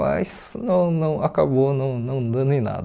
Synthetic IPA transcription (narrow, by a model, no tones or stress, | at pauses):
ajs | nɐ̃w̃nɐ̃w̃akabonɐ̃w̃nɐ̃w̃d̪ɐ̃d̪ʊẽna̰d̪